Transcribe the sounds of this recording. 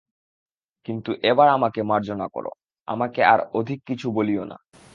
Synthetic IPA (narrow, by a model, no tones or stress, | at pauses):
kint̪uʔebaɾamakemaɾd͡ʑonako̰ɾo̰ | a̰makeaɾod̪ʱikːit͡ɕʰuboliona̰